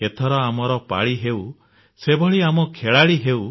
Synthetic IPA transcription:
et̪ʰɔɾɔamɔɾɔpa̰ɭiɦew | sebʱɔɭiamɔkʰeɭaɭiɦew

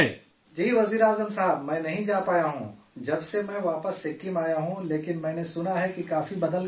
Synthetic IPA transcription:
d͡ʒiːʋɐziːɾaːzəmsɐɦəbmɛ̃ːnɐɦĩd͡ʒaːpaːjaɦṵ̃ | d͡ʒɐbsemɛ̃ːʋaːpəsːɪkːimaːjaɦũleːkɪnmɛ̃ːnesʊnaɦɛkikaːfibɐd̪əl

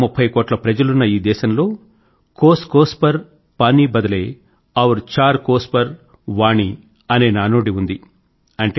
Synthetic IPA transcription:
mupʰːɐjkoːʈlɐpɾɐd͡ʒɐlunːɐiːd̪ɛːʃɐmlo̞ː | koːskoːspɐɾ | paːniːbɐd̪ɐleː | ɐʋuɾt͡ʃaːɾkoːspɐɾ | ʋaːɳi | ɐne̞ːnaːnoːɽiund̪i | ɐɳʈe

